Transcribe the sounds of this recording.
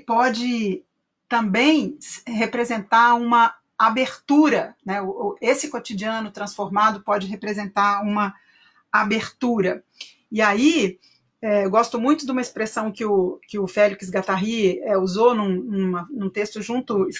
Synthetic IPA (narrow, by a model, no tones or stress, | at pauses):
pɔd͡ʒɪ | t̪ɐ̃bẽj̃ɦepɾezẽnt̪aɾũmɐ | abeɾt̪uɾɐnɛʊesɪkot͡ʃid͡ʒiɐ̃nʊt̪ɾɐ̃sfoɾmad̪ʊpɔd͡ʒɪɦepɾezẽnt̪aɾũmɐ | abeɾt̪uɾɐ | iai | ɛeɡɔst̪ʊmũj̃t̪ʊd̪ũmɐespɾesɐ̃w̃kɪʊkɪʊfɛliks̬ɡat̪aɦiɛuzonũnũmɐnũt̪est̪ʊʒũnt̪ʊɪ